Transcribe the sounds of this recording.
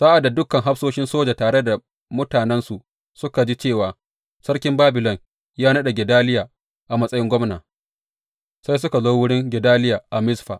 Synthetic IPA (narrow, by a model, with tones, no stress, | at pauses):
saː˦ʔa˨dːa˨dʊ˦kɐ˨ŋɦa˦ɸsoː˦ʃɪ˦nsoː˦d͡ʒa˨taː˨ɽe˦da˨ | mʊ˦taː˨nɛ˦nsu˨ʔ | sʊ˦ka˨d͡ʒi˦t͡ʃeː˦˨waː˨ | sɐ˦ɽkʲɪ˦mbaː˦bɪ˨lɔ˨ŋ | jaː˦nɐ˦ɗa˨ɡʲɛ˨daː˦lɪ˦jaː˨ | ʔa˨mɐ˦sʼɐ˦jɪ˦ŋɡʷɔ˦mna̰ː˨ | sa˦js̬ʊ˦ka˨zoː˦wʊ˦ɽɪ˦ŋɡʲɛ˨daː˦lɪ˦jaː˨ʔa˨mɪ˦sɸaː˨